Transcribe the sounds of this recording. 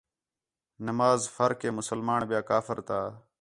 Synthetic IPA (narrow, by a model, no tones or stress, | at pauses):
nəmaːzfəɾkẽːmʊsəlmaːɳbɪjaːkaːfəɾt̪aː